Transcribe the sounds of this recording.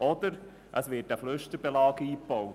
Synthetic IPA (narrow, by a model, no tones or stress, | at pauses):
ʔɔd̪̥əɾ | ʔəsʋɪtæfløʃtəɾb̥elɑːɡəiːpɔw